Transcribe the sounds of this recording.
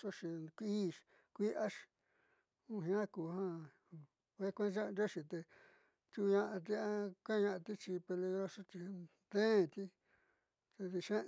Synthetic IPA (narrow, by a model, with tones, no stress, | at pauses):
ʂo˦ʂi˧kʷiː˦ʃ | kʷi˦ʔa˦ʃ | ũ˦ɦĩ˧ã˦ku˨˧hã˦˧ | e˦kʷẽ˦t͡ʃa˦˧nɾo˦ʂi˧t̪e˧ | t͡ʃ̪u˧ɲã˧ʔa˧t̪̬i˦a˦ka˦˧ɲã˧a˧t̪i˦t͡ʃi˧pe˧li˧ɣɾo˦ʂo˦t͡ʃ̪i˧ | d̪ẽː˦˨t̪i˦ | t̪e˧ði˧ʃẽ˦